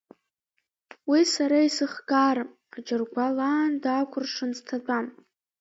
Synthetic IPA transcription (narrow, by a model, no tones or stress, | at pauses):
wisaɾaisɨχɡaːɾa | ad͡ʒʼɪrɡʷalaːndaːkʷʰʊrʂɨnztʰat͡pʷʼam